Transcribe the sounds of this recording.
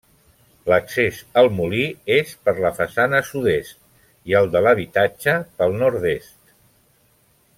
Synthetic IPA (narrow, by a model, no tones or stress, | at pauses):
ləksezəlˠmuliespəɾləfəsanəsuðest̪̚ | iəlˠd̪ələβ̞it̪ad͡ʒəpəlˠnɔɾd̪est̪